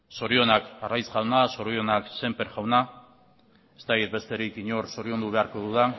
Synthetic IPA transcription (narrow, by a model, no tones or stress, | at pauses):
so̞ɾio̞nakarajsɡawnaso̞ɾio̞nakse̞mpe̞ɾʝawna | e̞st̪akit̪̚be̞st̪e̞ɾikiɲo̞ɾso̞ɾio̞nd̪uβe̞aɾko̞ðuða